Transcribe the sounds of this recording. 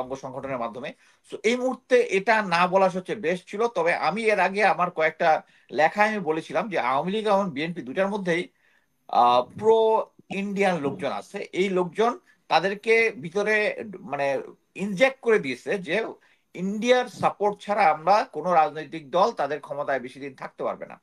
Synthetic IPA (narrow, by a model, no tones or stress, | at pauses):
ɔŋɡoʃɔŋɡʱoʈʰoneɾmad̪ʱːome | soʔejmuɦuɾt̪ːeʔeʈanabɔlaʃ̬ɔtːt͡ɕebeʃt͡ɕʰilot̪ɔbeʔa̰mieɾaɡeamaɾkɔek̚ʈa | lɛkʰaamibolet͡ɕʰilamd͡ʑea̰wmilikeboŋbienpid̪uʈaɾmod̪ʱːej | pɾoiɳɖianlok̚d͡ʑona̰t͡ɕʰeʔejlok̚d͡ʑon | t̪ad̪eɾkebʱit̪oɾemane | iɲd͡ʑek̚ʈ̚koɾed̪iet͡ɕʰed͡ʑe | iɳɖiaɾsapoɾʈ̚t͡ɕʰaɾaamɾakonoɾad͡ʑnojt̪ik̚d̪ɔlt̪ad̪eɾkʰɔmot̪aebeʃid̪int̪ʰak̚t̪epa̰ɾbḛna̰